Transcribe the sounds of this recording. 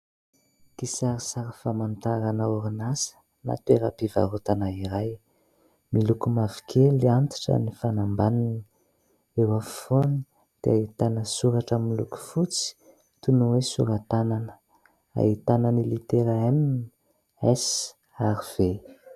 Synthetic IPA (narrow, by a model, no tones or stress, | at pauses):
t̪isaɾisaɾəfamant̪aɾanəuɾinasə̥ | na̰t̪ueɾapiva̰ɾot̪anaiɾaj | milukumavi̥kʰeliant̪i̥ʈ͡ʂə̰nifanambanini | ewafi̥foni | d̪̥ḛait̪anəsuɾaʈ͡ʂəmilṵku̥fut͡si̥ | t̪unuwesuɾat̪ananə̥ | a̰it̪anənilit̪eɾaenini | es | aɾiv̥e